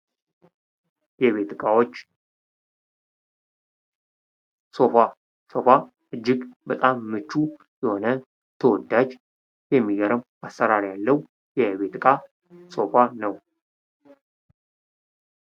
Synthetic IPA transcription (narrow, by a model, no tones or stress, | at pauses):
jɛβet̪kʼawot͡ʃː | so̞fa | so̞fa | ʔɨd͡ʒːɪɡbət̪ʼamːɨt͡ʃːu | jɛho̞nə | t̪ʰəwɔd̪ːad͡ʒ | jɛmːiɡəɾəm | asːəɾaɾjalːəhu | jɛβe̞t̪kʼa | so̞fanəw